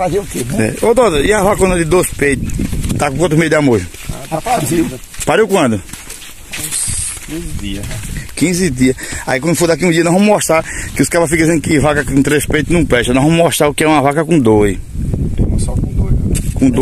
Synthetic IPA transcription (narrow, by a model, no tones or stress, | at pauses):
faziukenɛɛ̰od̪ot̪oiavakɐõnɐd̪ɪd̪ospejt̪ʊt̪akũkõt̪̬ɾmejd̪ɪamoʒʊ | apazi | paɾewkwɐ̃d̪ʊ | kĩzɪd̪iɐkĩzɪd̪iɐa̰ikwɐ̃d̪ʊfod̪ak̬iũdiɐnɐ̃vɐ̃mɔʃt̪ɾakɪʊskaɾpɐfikɐdizẽd̪ʊkɪvakɐkũt̪ɾespejt̪ʊnɐ̃pɛʃɐnɔ̃vɐ̃m̃mɔʃt̪ɾaʊkɪɛũɐvakɐkũd̪ojd̪omɐsɔkõd̪ojkõd̪o